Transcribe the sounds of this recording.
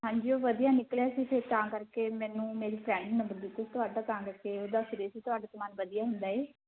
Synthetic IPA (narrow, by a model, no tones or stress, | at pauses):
ɦãːɲd͡ʒiːoːʋəd̪ijaːnɪkljaːsiːpʰɪɾt̪ãːkəɾkeːmɛ̃ːnũːmeːɾiːpʰɾɛ̃ːɳɖɪŋmənd̪əld̪iːkʊt͡ʃʰt̪ʊɦaːɖaːt̪ãːkəɾkeːoːd̪aːsɪɾeːsiːt̪ʊaːɖaːt̪əmaːnʋəd̪ijaːɦʊnd̪aːeː